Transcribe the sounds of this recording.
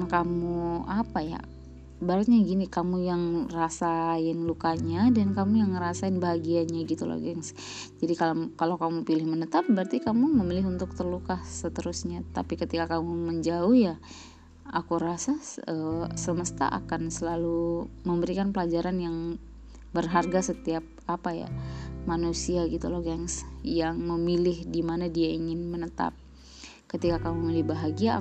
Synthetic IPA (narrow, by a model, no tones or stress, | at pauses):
kamuapaja̰ | baɾət̪̚ɲaɡinikamujaŋrasaɪnlukaɲadankamujaŋɾasaɪnbaɦaɡiaɲaɡit̪ula̰ɡijaŋs | d͡ʒadikakalakamupilɪhmənət̪ap̚bərt̪ikamuməmilɪɦunt̪ʊk̚t̪ərlukahsət̪əɾʊsɲat̪a̰pikət̪ikakamuməɲd͡ʒaʊhja | akuɾasaəsəməst̪a̰ʔa̰kansəlaluməmbəɾikanpəlad͡ʒaɾanjaŋ | bərɦarɡasət̪iap̚apaja̰manusiaɡit̪uloɡaŋsjaŋməmilɪhdimanadiaiŋɪnmənət̪a̰p̚ | kət̪ikakamumilɪhbaɦaɡia